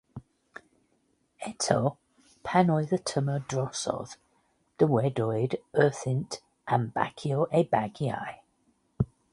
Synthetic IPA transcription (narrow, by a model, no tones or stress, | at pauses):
ɛtʰə | pʰanɔɪðətʰəmədɹɔsɔ̰ð̥ | d̥əwɛdɔɪdɜˑθɪ̃nt | ʔãmb̥a̰kʰiəʊʔeɪbaɡia̰ɪ